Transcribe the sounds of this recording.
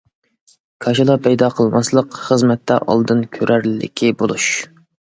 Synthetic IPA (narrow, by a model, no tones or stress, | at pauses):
kʰɑʃɨlˠɑpʰɛjd̪ɑqʰəlˠmɑslˠəqχəzmɛt̪ʰːɛʔɑ̰lˠd̪ɨnkʲʰøɾʔæɾllːɪ̰kʲʰibolˠuʃ